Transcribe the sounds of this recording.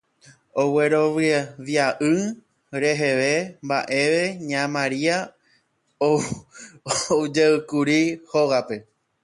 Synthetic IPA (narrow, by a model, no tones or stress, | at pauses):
o̞weɾo̞ʋɨʋjaʔɨ | ɾe̞ɦe̞ʋe̞mba̰ʔe̞ʋe̞ɲãmãɾia | o | d͡ʒeɨkuɾihoɣape̞